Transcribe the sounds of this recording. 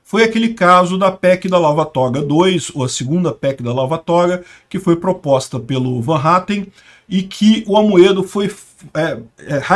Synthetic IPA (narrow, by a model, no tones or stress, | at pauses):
fojɐkelɪkazʊd̪ɐpɛkɪd̪ɐlavat̪ɔɡɐd̪ojzowɐsɪɡũnd̪ɐpɛkɪd̪ɐlavat̪ɔɾɡɐ | kɪfojpɾopɔst̪ɐpelʊvɐ̃ɦat̪ẽj̃ | ɪkʰɪʊamued̪ʊfoj | ɛɛha